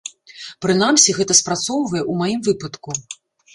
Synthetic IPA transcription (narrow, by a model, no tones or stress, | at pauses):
pɾɨn̪amsʲiɣɛt̪ɐspɾat̪sɔwvɐjɛʔumajimvɨpɐt̪ku